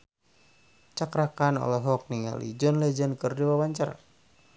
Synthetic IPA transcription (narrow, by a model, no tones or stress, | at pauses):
t͡ʃakɾakanɔ̰lɔɦɔk̚niŋa̰lḭd͡ʒɔnlɛd͡ʒənkɨrdiwawaɲt͡ʃaɾa̰